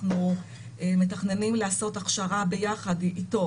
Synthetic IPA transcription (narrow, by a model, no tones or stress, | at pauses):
nu | ʔeme̞taχne̞nimleaso̞taχʃaʁabe̞jaχadito